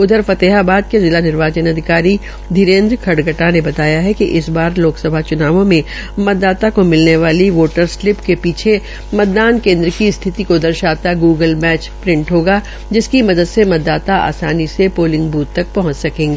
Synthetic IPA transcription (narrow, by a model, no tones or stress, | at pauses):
ʊd̪ʱəɾfɐt̪eːɦabaːd̪̚kezɪlanɪɾʋaːt͡ʃənɐd̪ʱɪkaːɾi | d̪ʱiɾẽːnd̪ɾkʰɐɽɡəʈanebɐt̪aːjaɦɛkiʔɪsbaːɾloːksɐbʱat͡ʃʊnaːʋõmẽ | mɐt̪̚d̪ːaːt̪akomɪlneʋaːliʋoːʈəɾslɪpkepiːt͡ʃʰe | mɐt̪̚d̪aːnkẽːnd̪ɾəkist̪ʰɪt̪ikod̪ɐɾʃaːt̪aɡuːɡəlmɛːt͡ʃpɾɪ̃ɳʈɦoːɡa | d͡ʒɪskimɐd̪əd̪semɐt̪̚d̪aːt̪aa̰ːsaːnisepoːlɪ̃ŋɡbuːt̪t̪ːɐk̚pɐɦʊ̃ɲt͡ʃsɐkẽːŋɡiː